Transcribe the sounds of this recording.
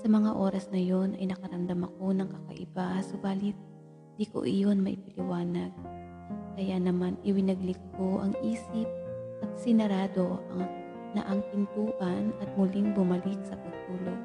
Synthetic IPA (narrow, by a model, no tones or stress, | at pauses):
sɐmɐŋaʔo̞ːɾɐsnɐjo̞nʔɐ̰jnɐkɐɾɐmd̪ɐmɐko̞nɐŋkɐkɐ̰ʔɪ̰basobaːlɪt̪̚ | d̪iko̰ʔɪjo̞nmɐʔɪ̰pɐlɪwaːnɐɡ̚ | kɐjanɐmanʔɪwɪnɐɡlɪk̚ko̞ʔɐŋʔiːsɪp̚ʔɐt̪̚sɪnɐɾaːd̪o̞ʔɐ̰ŋ | nɐ̰ʔɐŋt̪ɪnp̪uːʔɐnɐt̪̚mʊlɪŋbʊmɐlɪk̚sɐpɐɡ̚t̪uːlo̞